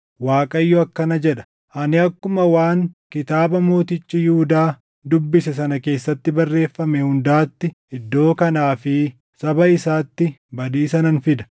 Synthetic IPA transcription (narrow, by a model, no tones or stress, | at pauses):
waːkʼɐjːɔɐkːɐnɐd͡ʒɛᶑɐ̥ | ʔɐnɪɐkːʊmɐwaːŋkɪt̪aːbɐmo̞ːt̪ɪt͡ʃʼːɪjʊhʊd̪aː | d̪ʊbːɪsɛs̬ɐnɐke̞ːsːɐt̪ːɪbɐrːe̞ːfːɐmɛhʊnd̪aːt̪ːɪʔɪd̪ːo̞ːkɐnaːfɪ | sɐbɐɪsaːt̪ːɪbɐd̪iːsɐnɐnfɪd̪ɐ̥